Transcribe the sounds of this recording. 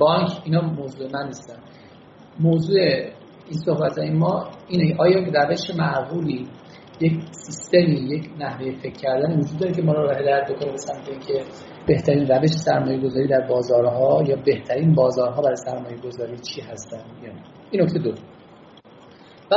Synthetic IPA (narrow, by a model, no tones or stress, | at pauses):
bɒŋkʰiːnɒːmoːzuːemænːiːst̪æn | moːzuːe | inso̞hbæt̪ʰɒːjemɒːiːnecʰeʔɒːjɒːjeræve̞ʃemæʔɣuːliː | jecʰsist̪e̞miːje̞cʰnæhve̞jefe̞cʰːæɾd̪ænivod͡ʒud̪dːɒːɾecʲʰe̞mɒːɾoɾɦed̪ɒːjæt̪̚bo̞kʰonibe̞sæmt̪ʰeiːncʲʰe̞ | b̥e̞ht̪ʰæɾiːnræve̞ʃe̞sæɾmɒːje̞ɡo̞zɒːɾiːd̪æɾbɒːzɒːɾɦɒːjɒːbe̞ht̪ʰæɾiːnbɒːzɒːɾɦɒːbæɾjsæɾmɒːje̞ɡo̞zɒːɾiːt͡ʃʰiːɦæst̪ænd̪̥jɒːnæ | inːo̞ct̪ed̪o | væ